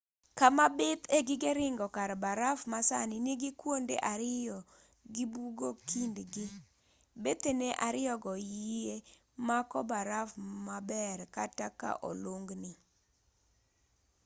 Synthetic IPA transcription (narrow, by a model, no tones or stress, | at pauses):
kamabɪt̪eɡɪɡeɾɪŋɡɔkaɾbaɾafmasa̰nɪniɡɪkwondḛʔaɾɪjɔ | ɡibuɡokindɡɪ | bet̪eneʔaɾɪɔɡɔjie | makɔbaɾafmabɛrkataka̰ʔo̰loŋɡnɪ